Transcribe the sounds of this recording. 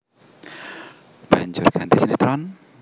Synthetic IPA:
b̥aɲd͡ʒʊrɡ̥ant̪isinit̪ɾɔn

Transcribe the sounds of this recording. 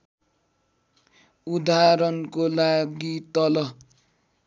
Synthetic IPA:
ud̪aɾʌnkolaɡit̪ʌlʌ

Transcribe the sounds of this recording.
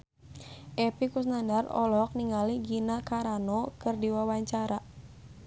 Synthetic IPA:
ʔɛpikus̬nandarɔ̰lɔk̚niŋaliɡinakaɾanɔkɨrdiwawaɲt͡ʃaɾa

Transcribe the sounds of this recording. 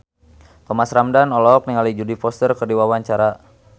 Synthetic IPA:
pəmasɾamdanɔlɔk̚niŋalid͡ʒudipɔst̪ərkərdiwawaɲt͡ʃaɾa

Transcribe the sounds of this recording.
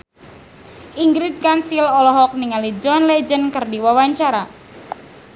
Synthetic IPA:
ʔiŋɡɾit̪̚kansilɔlɔɦɔk̚niŋalid͡ʒɔnlɛd͡ʒənkərdiwawaɲt͡ʃaɾa

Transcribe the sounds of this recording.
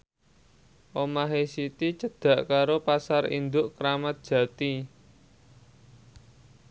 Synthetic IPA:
ʔomaɦesit̪it͡ʃəd̪̥ä̤ʔkaɾopasaɾḭnd̪ʊʔkəɾamat̪̚d̥ʒ̥ä̤t̪i

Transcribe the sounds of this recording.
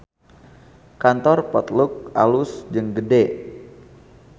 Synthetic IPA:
kant̪ɔrpɔt̪luk̚alusd͡ʒɨŋɡəde

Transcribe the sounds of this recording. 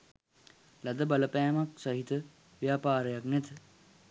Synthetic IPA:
lad̪əbaləpæːmaksaɦit̪ə | ʋjaːpaːɾəjaknɛt̪ə

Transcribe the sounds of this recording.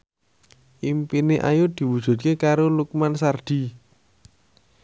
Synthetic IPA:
ʔimpineʔa̰jʊd̪̥i̤wud̥ʒ̥ṳt̪̚kekaɾoluk̚mansard̪̥i̤

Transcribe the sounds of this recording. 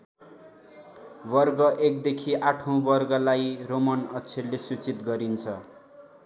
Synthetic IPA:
bʌrɡʌʔek̚d̪ekʰiʔaʈʰõbʌrɡʌlajromʌnʌt͡sʰelːesut͡sit̪ɡʌɾint͡sʰʌ

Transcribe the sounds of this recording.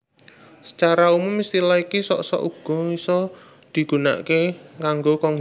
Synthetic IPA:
sə̥t͡ʃaɾaumʊmːist̪ilaikisɔ̰ʔsɔ̰ʔuɡ̥ɔ̤isɔ | d̪̥i̤ɡ̥ṳna̰ʔkekaŋɡokɔŋ

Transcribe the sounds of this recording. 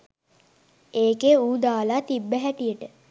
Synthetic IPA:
eːkeuːd̪aːlaːt̪ibːəɦæʈijəʈə

